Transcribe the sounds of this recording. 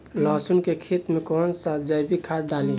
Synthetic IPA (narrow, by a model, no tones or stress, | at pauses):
lɔːsunkekʰet̪mẽkɔːnsad͡ʒabʱikʰaːd̪aːli